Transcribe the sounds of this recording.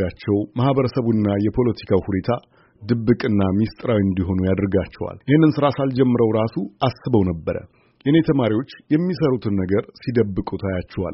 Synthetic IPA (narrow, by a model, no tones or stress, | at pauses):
jat͡ʃːɛwmahβəɾəsəβunːajɛpʰo̞lət̪ʰi̥kʰawhune̞t̪ʰa | d̪ɨbːɨkʼɨnːamist̪ʼɾawiɨnd̪iɦo̞nujad̪ɾɨɡat͡ʃːɛwa̰lʔɪhɨnːɨnsɨɾasald͡ʒɛmːɨɾəwɾasuasːɨβəwnəbːəɾə̰ | ɛʔɨne̞t̪ʰəmaɾiwo̞t͡ʃːjɛmːisəɾut̪ʰɨnːəɡəɾsid̪əbːɨkʼut̪ʰajat͡ʃːɛwa̰l